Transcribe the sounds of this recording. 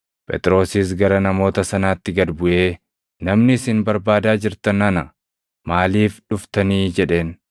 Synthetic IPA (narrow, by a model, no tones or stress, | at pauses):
pʼɛ̰t̪ʼɪɾo̞ːsiːs̬ɡɐɾɐnɐmo̞ːt̪ɐsɐnaːt̪ːɪɡɐd̪bʊʔe̞ː | nɐmnɪːsɪnbɐɾbaːd̪aːd͡ʒɪɾt̪ɐnɐnɐ | maːliːfᶑʊft̪ɐniːd͡ʒɛᶑe̞ːn